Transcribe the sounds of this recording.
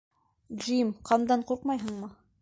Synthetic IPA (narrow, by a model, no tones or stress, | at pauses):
d͡ʒimqɑmd̪ɑɴquɾqmɑjɦɤ̆ɴmɤ